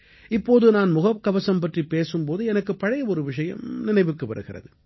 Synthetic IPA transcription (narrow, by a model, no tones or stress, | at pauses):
ɪpːoːðɯnaːnmʊɣɐp̚kɐʋɐsɐmpɐʈripːeːsɯmpoːðɯɛnɐkːɯpːɐɻɐjɐɔɾɯʋɪʂɐjɐ̰mnɪnɐɪʋɯkːɯʋɐ̰ɾɯɣɪrɐ̰ðɯ